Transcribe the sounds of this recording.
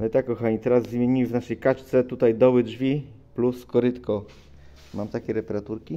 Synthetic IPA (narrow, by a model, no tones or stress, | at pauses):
t̪akkːɔxaɲit̪ɛɾazːmʲjeɲimɘvnaʂɛjkat͡ʂt̪sɛt̪ut̪ajd̪ɔwɘʐvʲi | pluskɔɾɘt̪kɔ | mamt̪akʲɛɾɛpɛɾat̪uɾkʲi